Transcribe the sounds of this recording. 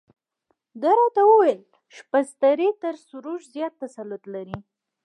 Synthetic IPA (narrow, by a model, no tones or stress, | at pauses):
d̪aɾɑt̪awəwel | ʃpast̪aɾit̪əɾsʊɾuʒzjɑt̪ːasalʊt̪laɾi